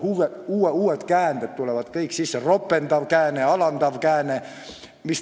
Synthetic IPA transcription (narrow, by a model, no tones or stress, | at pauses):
uʋeuːeuːet̪kæːnt̪et̪t̪uleʋɑt̪kɑiksisːeropːent̪ɑʋkæːneɑlɑnt̪ɑʋkæːne | mis